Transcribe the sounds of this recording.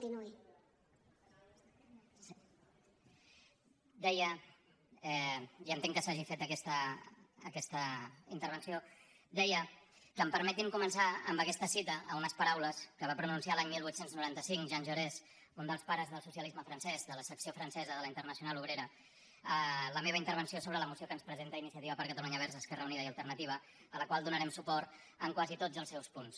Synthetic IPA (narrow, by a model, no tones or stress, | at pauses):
t̪inui | d̪ɛjə | ɛiənt̪eŋkəsaʒifet̪əkɛst̪əː | kɛst̪əint̪əɾβ̞ənsio | d̪ɛjəkəmpəɾmɛt̪imkumənsaə̰mbəkɛst̪əsit̪əəunəspəɾawləskəβ̞apɾununsialaɲmilˠβuit̪senznuɾant̪əsiŋʒanʲʒuɾɛs | und̪əlˠspaɾəzðəlˠsusiəlizməfɾənsɛzðələsəksiofɾənsɛzəðələint̪əɾnəsiunaluβɾeɾə | ələmeβəint̪əɾβənsiosoβɾələmusiokənspɾəzent̪əinisiət̪iβəpəɾkət̪əluɲəβ̞ɛɾrzəskɛrəuniðəiəlˠt̪əɾrnət̪iβ̞ə | ələkwalˠd̪unəɾɛmsupɔɾt̪ | əŋkwazit̪od͡zəlˠsɛwspuns